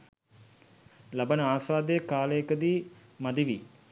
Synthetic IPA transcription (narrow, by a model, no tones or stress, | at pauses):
labənəaːsʋaːd̪əjəkaːləkəd̪iː | mad̪iʋi